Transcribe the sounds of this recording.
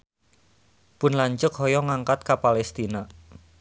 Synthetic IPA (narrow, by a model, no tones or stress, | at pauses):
pʊnlaɲt͡ʃʊk̚ɦɔjɔŋaŋkat̪̚kapalɛst̪ina